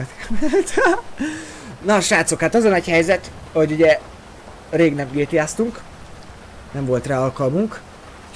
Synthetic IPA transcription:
t̪mɛlt̪ | nɒʃaːt̪sokhat̪ɒzɒnɒchɛjzɛt̪ho̞ɟuɟɛ | reːɡnɛmɡeːt̪jaːst̪uŋk | nɛɱvo̞lt̪raːɒlkɒlmuŋk

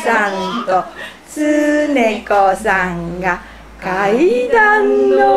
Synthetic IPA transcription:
sãnt̪ot͡sɨːnẽkosãŋɡa | kaid̪ãnːo

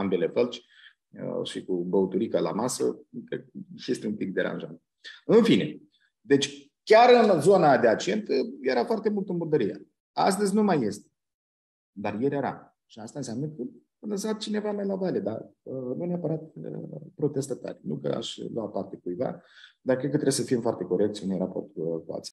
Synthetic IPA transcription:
ambele̞fəlt͡ʃʲ | ə̰ʃikubəut̪uɾikəla̰masəkejest̪eunpik̚d̪e̞ɾa̰nʒa̰t̪ | ɨnfine̞̰ | d̪e̞t͡ʃʲ | kʲaɾɨnzo̞nad̪e̞at͡ʃie̞nt̪je̞ɾafoart̪e̞mult̪ənburd̪əɾije | a̰s̬t̪əzʲnumajːe̞st̪e̥ | d̪arjeɾʲeɾa̰ | ʃiast̪ansʲamnəkə | ləsat̪̚t͡ʃine̞vamajlavaled̪a̰ənuneapəɾat̪̚ə̰pɾo̞t̪e̞st̪at̪a̰rʲnṵkə̰a̰ʃʲlwat̪̚part̪e̞kujva̰d̪arkɾekət̪ɾe̞bs̬əfimfoart̪e̞ko̞ɾek̚t̪sʲunujɾapo̞rt̪kua̰t̪sʲ

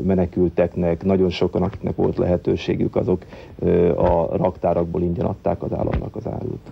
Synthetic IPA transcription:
mɛnɛkylt̪ɛknɛknɒɟo̞nʃo̞kɒnɒki̥knɛkʋo̞lt̪lɛ̰ɦɛt̪øːʃḛːɡykɒzo̞k | ɒrɒkt̪aːɾɒɡ̚boːliɲɟɒnʔɒ̰t̪ːaːkɒza̰ːlːɒ̰mnɒkɒza̰ːɾṵt̪

